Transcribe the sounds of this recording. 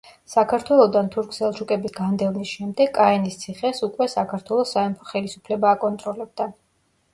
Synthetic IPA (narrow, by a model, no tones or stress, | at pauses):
sakʰaɾt̪ʰwɛlˠɔd̪ant̪ʰuɾkʰsɛlˠʃukʼɛbisɡand̪ɛvnisʃɛmd̪ɛɡʼaɛnist̪sʰiχɛsukʼwɛsakʰaɾt̪ʰwɛlˠɔsːaɛmpʰɔ̥χɛlisupʰlɛbaːkʼɔnt̪ʼɾɔlɛb̚d̪a